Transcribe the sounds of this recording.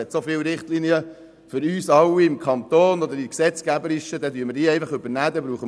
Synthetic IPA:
ɛt̪sofɪːwɾɪχt̪liːniə | fʏɾyːsɑlwːiɪmkʰɑnt̪oːnɔd̪əɾiksɛt͡skæbəɾɪʃəd̪ɛd̪yəmədiːɛjfɑχɵbəɾnæːd̪ɛbɾuːχə

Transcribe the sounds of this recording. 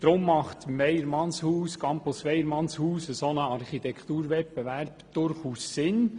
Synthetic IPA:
d̥̪ɾʊmːɑχtmɛjəɾmɑnshuːskɑmposʋɛjəɾmɑnshuːsəsɔnəɑɾχit̪ɛkχt̪uːɾʋɛppeʋæɾpd̥ʊɾχuːsːɪn

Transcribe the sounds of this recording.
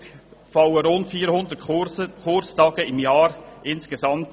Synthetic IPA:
fɑwəɾʊntfiːɾhʊnd̪əɾtəkʰʊɾt͡stɑːɡ̥əɪmjɑːɾʔɪnskesɑmt

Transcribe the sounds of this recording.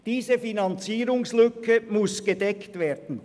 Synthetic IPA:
d̥iːzəfinɑnt͡siːɾʊŋslʏkʰəmʊsɡ̥ədɛktveːd̥n̩

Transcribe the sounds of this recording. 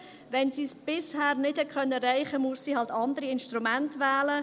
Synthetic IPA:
ʋɛnsiːsb̥ɪshɛːɾnɪtɛt̚kʰœnːəɾɛɪχəmuəsːiːhɑltɑnd̪əɾiɪnʃtɾumæntʋæːlə

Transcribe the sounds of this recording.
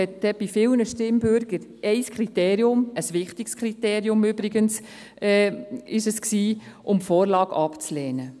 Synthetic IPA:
ɛtd̥ɛb̥ifɪlnəʃtɪmbøɾɡ̥əɾʔɛɪskʰɾit̪eːɾiʊməsʋɪχtɪkskʰχɾit̪eːɾiʊmøbɾɪɡəns | ɛːɪʃəsksiːʔʊmfoːɾlɑːɡ̥ɑpt͡slɛːnə

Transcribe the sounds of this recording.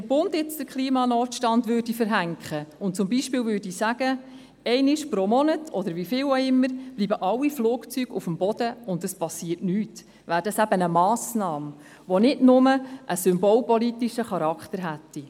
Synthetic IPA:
d̥əɾbʊndɪt͡sd̥əɾkʰliːmɑnɔːtʃtɑndvøːɾdifəɾɦæŋkχəʊnt̚t͡sʊmbiːʃpɪːlvʏːɾdisæɡ̥ə | ɛɪnɪʃpɾomɔnətʰɔd̪əɾvifɪːwɔɪmːəɾb̥liːbəʔɑwːifluːkt͡syɡ̥ufəmbɔd̥əʊndəspɑsːiːəɾtnyːt | væːɾdɑsæbənəmɑːsnɑːm | ʋɔnɪdnʊməʔəsʏmbɔlpɔlit̪iʃəχɑɾɑkχtəɾɦætːi

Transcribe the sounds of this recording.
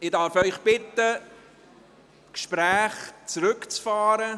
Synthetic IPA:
ɪdɑɾfœʏχb̥ɪtə | kʃpɾæːχt͡sɾɵkt͡sfɑːɾə

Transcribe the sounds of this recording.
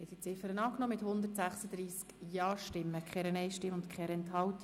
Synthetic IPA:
hɛtsit͡sɪfəɾənɑːknɔːmɪthʊnd̪ətsæχsəd̪̥ɾiːskjɑːʃtɪmːəkʰχɛɾənɛjʃtɪʊnt̪kχɛɾɛnt̪hɑwt̪i̥

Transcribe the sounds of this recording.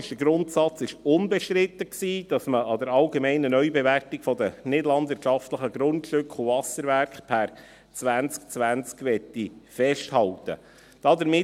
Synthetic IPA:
ʃdəɡɾʊntsɑt͡sɪʃʊnbeʃtɾɪt̪ːəksiːd̥ɑsməɑd̪əɾɑlɡemɛɪnənœʏbeværtikfɔd̪ənɪdəlɑndvɪɾtʃɑft̪ləχəɡɾʊntʃʏkχuvɑsəɾʋæɾkχpʰæɾ | t͡sʋænt͡sk̚t͡sʋænt͡skʋɛt̪ːifɛʃthɑltə̰ | d̥ɑd̪əɾmɪ

